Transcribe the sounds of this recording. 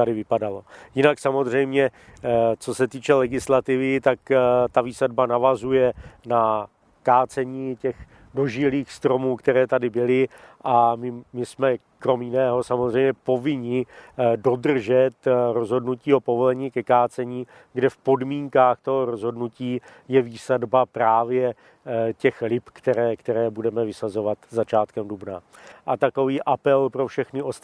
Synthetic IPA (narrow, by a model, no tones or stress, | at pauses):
t̪adɪvɪpadalo̞jɪnaksamo̞zr̝ɛjmɲɛ | t͡so̞sɛt̪iːt͡ʃɛlɛɡɪslat̪ɪvɪt̪akt̪aviːsadbanavazujɛna | kaːt͡sɛɲiːcɛx | do̞ʒɪliːxst̪ɾo̞muːkt̪ɛɾɛːt̪adɪbɪlɪʔamɪmɪsmɛ | kɾo̞mjɪnɛːɦo̞samozr̝ɛjmɲɛpo̞vɪɲɪdo̞dr̩ʒɛt̪ɾo̞zɦo̞dnuciːo̞po̞vo̞lɛɲiːkɛkaːt͡sɛɲiː | ɡdɛfpo̞dmiːŋkaːxt̪o̞ɦo̞ɾozɦo̞dnuciː | jɛviːsɛdbapɾaːvjɛ | cɛxlɪpkt̪ɛɾɛːkt̪ɛɾɛːbudɛmɛvɪsazo̞vat̪zat͡ʃaːt̪kɛmdubnaʔat̪ako̞viːʔapɛlpɾo̞fʃɛxnɪʔost̪